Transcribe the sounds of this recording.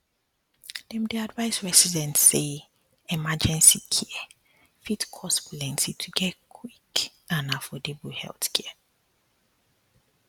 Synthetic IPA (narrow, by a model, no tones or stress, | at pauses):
d̥ɛ̃mdiadvaɪsɹɛsidɛ̃ntse | ɛmad͡ʒɛ̃nsikʰiɛ | fitkʰɔsbulɛ̃ntitʰuɡɛtkʰwikãnafɔdebuhɛ̰lθkʰɛə